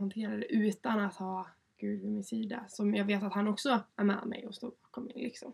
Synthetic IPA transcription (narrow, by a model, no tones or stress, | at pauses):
hant̪ʰeːɾad̪ɛʔʉ̟ːt̪anat̪hɑː | ɡ̥ʉ̟ːd̪vɪmɪnsiːd̪a̰sɔmjɑːɡveːt̪at̪hanɔksɔæɾmɛ̰ːd̪mɛ̰jɔst̪o̰ːɾbɑːkɔmɪ̰nlʔɪksɔ̰m